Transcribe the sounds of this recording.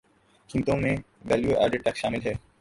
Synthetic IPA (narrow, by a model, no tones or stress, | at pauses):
kint̪ome | ʋɛljuʔa̰ɾɖeʈːakʃaːmilɦɛ